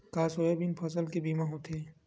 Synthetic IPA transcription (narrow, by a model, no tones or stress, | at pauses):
kaːsoebinpʰɐsəlkebiːmãɦõt̪ʰeː